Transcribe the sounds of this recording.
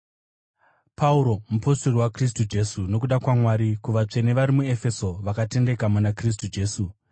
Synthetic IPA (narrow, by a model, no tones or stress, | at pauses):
pauɾo̞mupo̞storiwakris̬tud͡ʒe̞suno̞kuɗakwamwaːɾikuʋat͡ʂe̞neʋaɾimue̞fe̞so̞ʋakate̞nde̞kamunakris̬tud͡ʒe̞ːsu